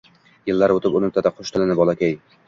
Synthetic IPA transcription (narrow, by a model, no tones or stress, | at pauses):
jɪlːaɾot̪ɪpʊnɪm̚t̪ʰad̪aqʰʊʃt̪ʰɪlɪnɪbɒlˠakʲaj